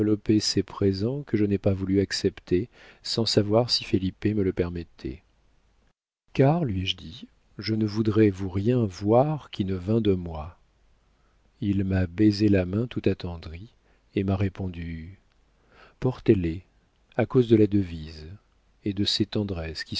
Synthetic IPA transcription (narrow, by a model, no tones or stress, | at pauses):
lɔpesepχezɑ̃kəʒənɛpavulyaksɛpt̪ʰesɑ̃savwaʁsifelipemələpɛʁmɛt̪ʰɛ̰ | kaʁlɥiɛʒd̪i | ʒənəvud̪ʁɛvuʁjɛ̃vwaʁkʲinəvɛ̃d̪əmwa | ilmabezelamɛ̃t̪ut̪at̪ɑ̃d̪ʁi | emaʁepɔ̃d̪y | pɔʁt̪ele | akozd̪əlad̪əviz | ed̪əset̪ɑ̃d̪ʁɛskʲi